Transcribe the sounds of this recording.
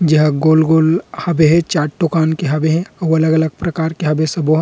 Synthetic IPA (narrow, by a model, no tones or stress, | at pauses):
d͡ʒɐɦɡoːlɡoːlhɐbeɦɛ̃t͡ʃaːʈ̚ʈːokaːnkeɦɐbeɦɛ̃ɐwɐləɡɐləɡ̚pɾɐkaːɾkeɦɐbesɐboɦ